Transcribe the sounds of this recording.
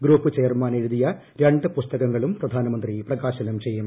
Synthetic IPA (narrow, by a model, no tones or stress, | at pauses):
ɡɾuːpːɨt͡ɕeːɐrmaːne̞ɻuðijɐ | ɾeɳɖɨpust̪ɐɣɐŋːɐɭumprɐd̪ʱaːnɐmɐnd̪riprɐɣaːɕɐnɐmt͡ɕe̞jːum